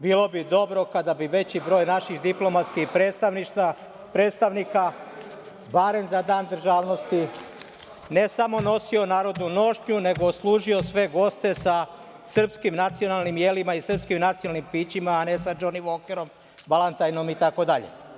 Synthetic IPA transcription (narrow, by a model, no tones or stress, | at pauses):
biːlo̞bid̪o̞bɾo̞kad̪abiʋe̞t͡ɕibɾo̞ːjnaʃixd̪iplˠo̞mat̪skixet̪aiʃt̪a | pɾeːt̪st̪aʋnika | baɾe̞mzad̪aːnd̪ɾ̩ʒaːʋno̞st̪i | ne̞samo̞no̞sio̞naːɾo̞d̪nuno̞ʃɲune̞ɡoːslˠuːʒio̞sʋe̞ɡo̞st̪e̞sa | sr̩pskimnat̪sio̞nalnimjelimaisr̩pskimnat̪sijonalnimpiːt͡ɕimaːne̞sad͡ʒoniʋoːkeɾo̞m | balˠant̪ajnomit̪ako̞d̪aʎḛ